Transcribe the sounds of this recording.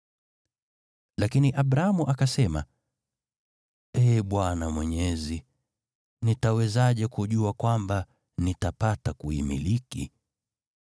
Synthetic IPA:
lakiniʔaɓɾaamuʔakasɛma̰ | ɛːɓwanamwɛɲɛzi | nitawɛzaʄɛkuʄuakwamba | nitapatakuḭmḭlikḭ

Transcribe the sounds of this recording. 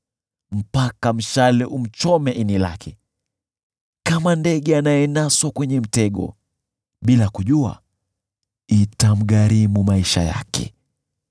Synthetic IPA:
m̩pakam̩ʃalɛʔum̩t͡ʃɔmɛʔinila̰kʰɛ | kamandɛɠɛanajɛnaswakwɛɲɛm̩tɛɠɔ̰ | ɓilakuʄua̰ | itam̩ɠaɾimumaiʃa̰ja̰kɛ̰

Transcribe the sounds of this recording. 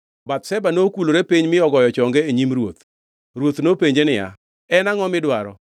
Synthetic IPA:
bat̪sɛbanokuloɾepiɲmɪɔɡɔjɔt͡ʃɔŋɡeeɲimɾwot̪ | ɾwot̪nopeɲd͡ʒenɪja̰ | ɛnaŋɔmɪdwaɾɔ̰

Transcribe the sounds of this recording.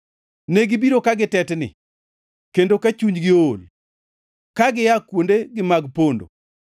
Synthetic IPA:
neɡɪbiɾokaɡɪtɛtnɪ̰ | kendokat͡ʃuɲɡɪol | kaɡɪjakwondeɡɪmaɡpondo̰

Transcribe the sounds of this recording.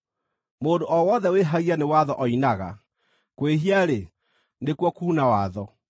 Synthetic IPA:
moːndoʔɔwɔðɛweɦaɣianewaðɔʔɔinaɣa̰ | kweɦiaɾe | nekwɔkuːnawaðɔ

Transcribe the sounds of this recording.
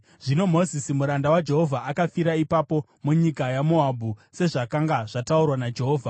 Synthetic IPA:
ʐino̞mo̞zisimuɾandawad͡ʒe̞ɦo̞vʱaʔːkafiɾaipapo̞ | muɲikajamo̞abʱuse̞ʐakaŋɡaʐataurwanad͡ʒe̞ɦo̞ːvʱa

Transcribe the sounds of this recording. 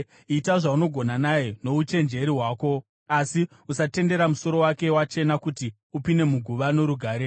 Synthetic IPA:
itaʐauno̞ɡʱo̞nanajeno̞ut͡ʃe̞nd͡ʒe̞ɾiɦwaːko̞ | asi | usate̞nde̞ɾamuso̞ɾo̞wake̞wat͡ʃe̞nakuti | upine̞muɡʱuʋano̞ɾuɡʱaːɾe

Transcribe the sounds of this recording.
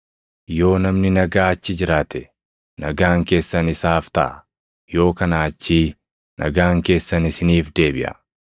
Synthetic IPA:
jo̞ːnɐmnɪnɐɡaːɐt͡ʃːɪd͡ʒɪɾaːt̪ɛ | nɐɡaːŋke̞ːsːɐnɪsaːft̪ɐ̰ʔɐ | jo̞ːkɐnaːt͡ʃːiː | nʔɐ̰ɡaːŋke̞ːsːɐnɪsɪniːfd̪e̞ːbɪʔɐ̰

